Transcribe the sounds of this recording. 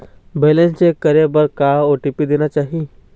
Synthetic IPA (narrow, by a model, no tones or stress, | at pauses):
beːlẽnt͡ʃekəɾebəɾkaoːʈipid̪eːnat͡ʃaːɦie